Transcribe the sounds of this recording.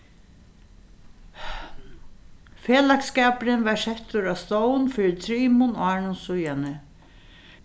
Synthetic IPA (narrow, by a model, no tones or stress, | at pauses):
feːlakskɛːpɾɪnvɛsɛht̪ʊɾast̪ɔwnfɪːɾɪt̪ʰɾiːmʊnaːɳʊnsʊjanɪ